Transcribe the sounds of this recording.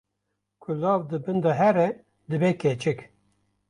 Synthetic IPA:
kʰʊlɑːvd̪ɨbɨnd̪ɑɦɛɾɛ | d̪ɨbekɛt͡ʃʰɪk

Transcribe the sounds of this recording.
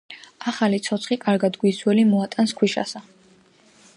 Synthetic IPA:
aχalit̪sʰɔt̪sʰχikʼaɾɡad̪ɡwiswɛlimɔat̪ʼanskʰwiʃa̰sa

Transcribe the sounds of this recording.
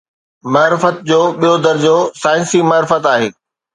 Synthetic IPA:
maːɾɪfət̪̚d͡ʑoːɓijod̪ɐɾd͡ʑoːsaːɪ̃nsimaːɾɪfət̪aːɦeː

